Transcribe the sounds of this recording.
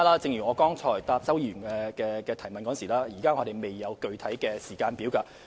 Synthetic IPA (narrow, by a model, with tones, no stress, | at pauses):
laː˥t͡sɪ˧ŋjyː˨˩ŋɔː˨˧kɔː˥ŋt͡sʰɔː˨˩jt̪aː˧p̚t͡sɐ˥wji˧˨˩nkɛː˧kɛː˧kɛː˧t̪ʰɐ˨˩jmɐ˨nkɔː˨˥nsiː˨˩laː˥jiː˨˩kaː˥ŋɔː˨˧d̪e˨jme˨jːɐ˨˧wkɵ˧ɥt̪ʰɐ˨˥jkɛː˧siː˨˩kaː˧npiː˨˥wkaː˧